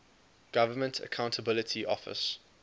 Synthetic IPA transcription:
ɡ̥avəmə̃ntʰə̰kʰãʊ̃ntʰəbɪlɪtʰiʔɔfɪ̰s

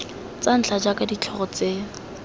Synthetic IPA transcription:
t͡san̩t͡ɬʰad͡ʒakʼadit͡ɬʰɔɣɔt͡seːŋ̩

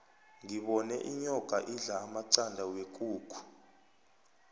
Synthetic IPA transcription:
ŋiɓɔnɛ̰ʔiɲɔɡ̥ʱaʔiɮaːmaǀandʱawek̬ʼuːkʰu̥

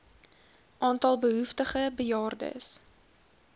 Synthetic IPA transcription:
ʔɑːntɐlˠbəɦuftəχəbəjɑːrdə̰s

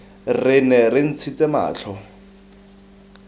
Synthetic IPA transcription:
rɪnɛrɪn̩t͡sʰit͡sʼema̰ːt͡ɬʰɔ

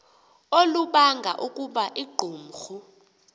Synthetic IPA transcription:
oluɓaŋɡʱa̰ʔukʼuɓaʔiɡ͡ǃʱuːm̩xu

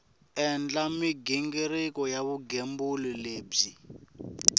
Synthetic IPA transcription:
ɛnd͡ɮamiɡɛŋɡeɾɛkɔjaβuɡembulileːb͡ʐi

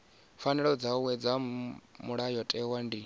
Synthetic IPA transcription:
fanɛɺɔd͡zawɛd͡zamuɺajɔtʼɛwandi

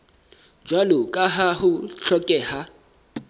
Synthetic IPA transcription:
d͡ʒwalʊkʼaɦaɦʊɬɔkʼɛha

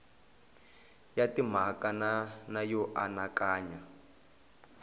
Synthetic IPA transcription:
jatim̤akananajɔʔanakaːɲa

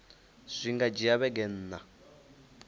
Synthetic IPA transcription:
ʂʷiŋɡad͡ʒijaβɛɡɛn̩ːna

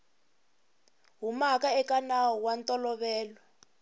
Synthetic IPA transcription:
ɦumakaɛkanaɦɔwantʼɔlɔβɛːlɔ

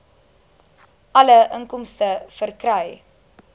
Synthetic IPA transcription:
ʔɐləʔəŋkɔmstəfərkrœj

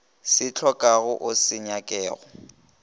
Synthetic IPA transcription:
sɪt͡ɬʰɔkʼaɣʊʔʊsɪɲakʼɛːɣɔ

